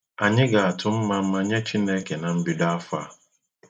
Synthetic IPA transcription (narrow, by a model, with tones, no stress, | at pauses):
a˨ɲɪ˦ɡa˨a˨tʰʊ˨m̩˦ma˨m̩˦ma˦ɲe˦t͡ʃi˦ne˦ke˨na˨m̩˦bi˦da˦a˦fa̰˨